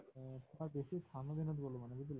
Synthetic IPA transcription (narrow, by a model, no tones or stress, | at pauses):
tʰaɾbeʃit̪ʰanod̪ʱinot̪ɡolomaned͡ʒid̪il